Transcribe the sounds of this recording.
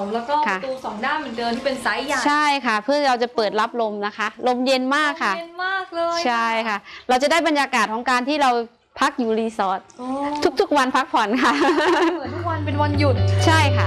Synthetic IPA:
lɛ˦˥kɔː˥˩kʰa˥˩t̪uː˧sɔː˨˩˦ŋdaː˥˩nmɯ˩˦dɤː˧nt̪ʰi˥˩pe˧nsa˦˥ja˩t͡ɕʰa˥˩jkʰa˥˩pʰɯ˥˩ɐ˩ɾa˧wt͡ɕa˨˩pɤː˨˩t̪̚la˦˥p̚lo˧mna˦˥kʰa˦˥lo˧mje˧nmaː˥˩kʰːa˥˧nmaː˥˩k̚lɤː˧jt͡ɕʰa˥˩jkʰa˥˩ɾa˧wt͡ɕa˨˩daː˥˩jba˧njaː˧kaː˨˩t̪̚ʰɔː˩˦ŋkaː˧nt̪ʰiː˥˩ɾa˧w | pʰa˦˥k̚juː˨˩liː˧sɔː˨˩t̪̚o˧t̪ʰu˦˥k̚t̪ʰu˦˥k̚wa˧npʰa˦˥k̚pʰɔ˨˩˦nkʰa˥˩˨ | u˦˥k̚wa˧npe˧nwa˧nju˨˩t̪̚t͡ɕʰa˥˩jkʰa˥˩

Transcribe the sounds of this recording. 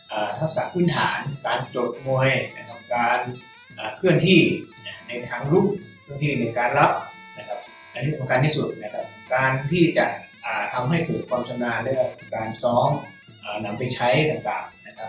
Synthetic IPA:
ʔaː˨˩ha˦˥p̚saː˨˩˦pʰɯː˥˩nt̪ʰa̰ː˩˦nkaː˧nt͡ɕo˨˩t̪̚muː˧əjna˧˥˩kʰa˩˦ŋkaː˧n | ʔaː˨˩kʰɯ˥˩ənt̪ʰiː˥˩na˧˩na˧jt̪ʰaː˧ŋlu˦˥˩p̚kʰɯ˥˩ənt̪ʰiː˥˩na˧jkaː˧nla˦˥p̚ | na˦˥kʰa˦˥p̚ | ʔa˧niː˧˥˩sa˩˨˦ŋkʰa˧nt̪ʰiː˧˥˩su˨˩t̪̚na˦˧kʰa˦˥p̚kaː˧nt̪ʰiː˥˩t͡ɕa̰˨˩ʔʔaː˨˩t̪ʰa˧mɦa˥˩jpʰɤː˨˩t̪̚pʰɔː˧mt͡ɕʰa˧naː˧lɛː˧˥˩ka˧˩kaː˧nsɔː˦˥ŋ | ʔaː˨˩na˧mpa˧jt͡ɕʰa˦˥jt̪aː˨˩ŋt̪a̰ː˨˩ŋna˦˥kʰa˦˥p̚

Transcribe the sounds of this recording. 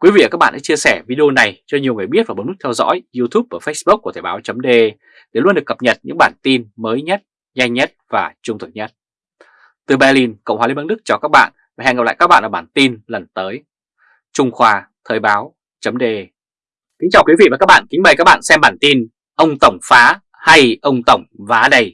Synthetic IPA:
kwi˨˦vḭ˧˨a˨˩kaː˦˥ɓa̰ː˧˨ɗ̰a̰˧˥t͡ɕi˧əsɛ˧˩vi˧ɗi˧o˧na˨˩jt͡ɕɔ˧ɲ˨˩əwŋɨ˨˩əjɓi˦˥ət̚vaː˨˩ɓ̚m̚˦˥t̪ʰwzɔ̰˧˥jzu˧t̪ʰu˦˥p̚ʔəː˧˩fə˦˥jsɓu˦˥k̚u˧˩t̪ʰəː˧˩ɓaː˨˦wt͡ɕə˨˦mɗe˧ʔe˧ | ɗe˧˩lu˧nɗɨ˨˩əkːə˨˩p̚ɲə˨˩t̚ɲɨ̰˧˥ŋɓaː˧˩nt̪i˧nməː˨˦jɲə˦˥t̚ | ɲɛ˧jɲə˦˥t̚vaː˨˩t͡ɕʊ˧ŋ͡mt̪ʰɨ˨˩ɲə˦˥t̚ | t̪ɨ˨˩ɓa˧li˧nkə̰˧˨wŋ͡mhaː˧˩lmə˧n˦ɗɨ˦˥k̚t͡ɕɔ˨˩kaː˦˥k̚ɓa̰ː˧˨nva˨˩ɛ̰˧˨ŋa˨˩p̚l̰ːkaː˦˥ɓa̰ː˧˨nʔəː˧˩ɓaː˧˩nt̪i˧nlə˨˩nt̪əː˨˦j | t͡ɕʊ˧ŋ͡mxwaː˧ | t̪ʰəː˧˩jɓaː˨˦w | t͡ɕə˨˦mɗe˧ʔe˧ | kï˨˦ŋ̟t͡ɕaː˨˩wkwi˨˦vḭ˧˨vaː˨˩kaː˦˥k̚ɓa̰ː˧˨ki˨˦ŋ̟ɓəː˨˩ka˦˥ɓa̰ː˧˨nsɛ˧mɓaː˧˩nt̪i˧n | ʔə˧wŋ͡mt̪ə˧˩wŋ͡mfaː˨˦ | ha˧jʔə˧wŋ͡mt̪ə˧˩wŋ͡mvaː˨˦ɗə˧j

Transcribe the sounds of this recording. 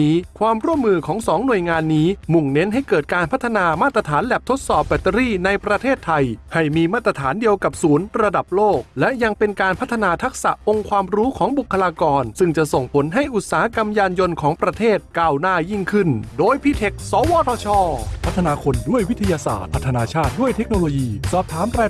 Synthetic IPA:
iː˦˥kʰwaː˧mɾu˥˩əmːɯː˧kʰɔː˩˦ŋsɔː˩˦ŋnu˨˩əjŋaː˧nːiː˦˥mu˨˩ŋne˦˥nɦa˥˩jkɤː˨˩t̪̚kaː˧npʰa˦˥t̪ʰːa˧naː˧maː˥˩t̪ːɾa˧t̪ʰaː˩˦nlɛ˨˩p̚t̪ʰo˦˥t̪̚sɔː˨˩p̚bɛ˨˩t̪ːa˧ɾiː˥˩na˧jpɾa˧t̪ʰeː˥˩t̪ʰːa˧jha˥˩jmiː˧maː˥˩t̪ːɾa˧t̪ʰaː˩˦ndi˧əwka˨˩p̚suː˩˦nɾa˧da˨˩p̚loː˥˩k̚lɛ˦˥ʔja˧ŋpe˧nkaː˧npʰa˦˥t̪ʰːa˧naː˧t̪ʰa˦˥k̚sa̰˨˩ʔʔo˧ŋkʰwaː˧mɾuː˦˥kʰɔː˩˦ŋbu˨˩kʰːa˧laː˧kɔː˧nsɯ˥˩ŋt͡ɕa˨˩ʔso˨˩ŋpʰo˩˦nɦa˥˩jʔu˨˩t̪̚saː˨˩ha˦ka˧mjaː˧njo˧nkʰɔː˩˦ŋpɾa˧t̪ʰeː˥˩t̪̚kaː˥˩wnaː˥˩ji˥˩ŋkʰɯ˥˩ndoː˧jpʰiː˧˥˩t̪ʰe˨˩k̚sɔː˨˦wɔː˧t̪ʰɔː˧t͡ɕʰɔː˧˩pʰa˦˥t̪ʰːa˧naː˧kʰo˧ndu˥˩əjwi˦˥t̪ʰːa˧jaː˧sa̰ː˨˩t̪̚pʰa˦˥t̪ʰːa˧naː˧t͡ɕʰaː˥˩t̪̚du˥˩əjt̪ʰe˦˥k̚noː˧loː˧jiː˧sɔː˨˩p̚t̪ʰaː˩˦mɾaː˧

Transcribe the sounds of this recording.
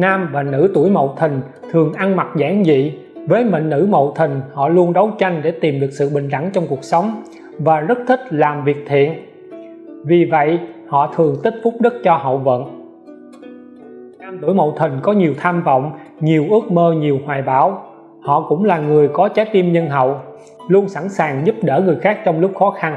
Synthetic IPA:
naː˧mvaː˨˩nɨ̰˧˥t̪u˧˩əjmo̰˧˨wt̪ʰï˨˩ŋ̟ | t̪ʰɨ˨˩əŋʔa˧ŋma˨˩t̚zaː˧˦ŋzḭ˧˨ | vəː˨˦jmə̰˧˨ŋ̟ːɨ̰˧˥mo̰˧˨wt̪ʰï˨˩ŋ̟hɔ̰˧˨lu˧ənɗə˨˦wt͡ɕa˧jŋ̟ɗe˧˩t̪i˨˩mɗɨ˨˩ək̚sɨ̰˧˨ɓï˨˩ŋ̟ɗa˧˩ŋt͡ɕɔ˧wŋ͡mku˨˩ək̚sə˨˦wŋ͡m | vaː˨˩zə˦˥t̚t̪ʰï˦˥k̟̚laː˨˩mvi˨˩ək̚t̪ʰḭ˧˨ən | vi˨˩və̰˧˨jhɔ̰˧˨t̪ʰɨ˨˩əŋt̪ï˦˥t̟̚fʊ˦˥k͡p̚ɗɨ˦˥k̚t͡ɕɔ˧hə̰˧˨wvə̰˧˨n | t͡ɕaː˧mt̪u˧˩jmo̰˧˨wt̪ʰï˨˩ŋ̟kɔ˨˦ɲi˨˩əwt̪ʰaː˧mvə̰˧˨wŋ͡mɲi˨˩əwʔɨ˦˥ək̚məː˧ɲi˨˩əwhwaː˨˩jɓaː˧˨˦w | hɔ̰˧˨kʊ̰˧˥ŋ͡mlaː˨˩ŋɨ˨˩əjkɔ˨˦t͡ɕa˨˦jt̪i˧mɲə˧nɦə̰˧˨w | lu˧ənsa˧˩nsaː˨˩ŋzʊ˦˥p̚ɗəː˧˩ŋɨ˨˩əjxaː˦˥k̚t͡ɕɔ˧wŋ͡mlʊ˦˥k͡p̚xɔ˨˦xa˧n

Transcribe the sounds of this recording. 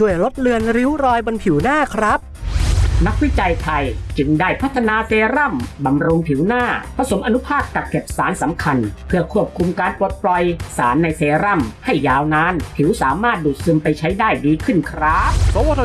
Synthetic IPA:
t͡ɕʰu˥˩əjɾo˦˥t̪̚lɯ˧ənɾi˦˥wɾɔː˧jbo˧npʰi˨˩˦wnaː˥˩kʰɾa˦˥p̚ | na˦˥k̚wi˦˥t͡ɕa˧jt̪ʰa˧jt͡ɕɯ˧ŋdaː˥˩jpʰa˦˥t̪ʰːa˧naː˧seː˧ɾa˥˩mba˧mɾu˧ŋpʰi˩˦wnaː˥˩pʰɾa˧so˩˦mʔa˧nu˦˥pʰaː˥˩kːa˨˩p̚ke˨˩p̚saː˩˦nsa˩˦mkʰa˧npʰɯ˥˩ɐkʰu˥˩əp̚kʰu˧mkaː˧npo˨˩t̪̚plɔ˧jsaː˩˦nːa˧jseː˧ɾa˥˩mha˥˩jːaː˧wnaː˦˥npʰi˨˩˦wsaː˩˦maː˥˩t̪̚duː˨˩t̪̚sɯ˧mpa˧jt͡ɕʰa˦˥jdaː˥˩jdiː˧kʰɯ˥˩nkʰɾa˦˥p̚o˨˦˧

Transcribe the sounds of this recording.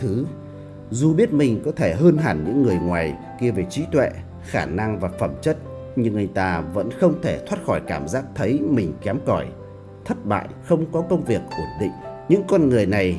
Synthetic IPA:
t̪ʰɨ˨˦ | zu˨˩ɓi˦˥ət̚mï˨˩ŋ̟kɔ˨˦t̪ʰe˧˩ɦəː˧nɦaː˧˩nɲɨ̰˧˥ŋːɨ˨˩əjŋwaː˨˩j | ki˧əve˨˩t͡ɕi˨˦t̪wɛ̰˧˨ | xaː˧˩na˧ŋvaː˨˩fə˧˩mt͡ɕə˦˥t̚ | ɲɨ˧ŋʔa˧jŋ̟t̪aː˧və̰˧˥nxə˧wŋ͡mt̪ʰe˧˩t̪ʰwaː˦˥t̚xɔ˧˩jkaː˧˩mzaː˦˥k̚t̪ʰə˨˦jmï˨˩ŋ̟kɛ˨˦mkɔ˧˩j | t̪ʰə˦˥t̚ɓa̰ː˧˨jxə˧wŋ͡mkɔ˨˦kə˧wŋ͡mvi˨˩ək̚ʔə˧˩nɗḭ˧˨ŋ̟ɲɨ̰˧˥ŋkɔ˧nŋɨ˨˩əjna˨˩j

